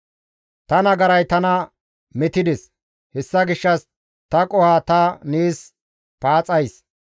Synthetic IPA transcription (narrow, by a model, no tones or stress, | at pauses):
t̪ɐnɐɡɐɾɐjt̪ɐnɐ | mɛt̪ɪd̪ɛs | hɛsːɐɡɪʃːɐs | t̪ɐkʼɔhaːt̪ɐniːs | paːt͡sʼɐjs